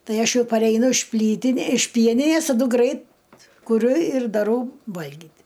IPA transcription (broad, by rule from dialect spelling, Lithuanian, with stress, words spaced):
ˈtɐɪ ˈɐʃ ˈjɛʊ pɐrʲɛɪˈnʊ ɪʃ ˈpʲlʲiːtʲɪnʲeː ɪʃ ˈpʲiɛnʲɪnʲeːs tɐˈdʊ ˈɡrɐɪt kʊˈrʲʊ ɪr dɐˈrɐʊ ˈʋɐlʲɡʲiːtʲ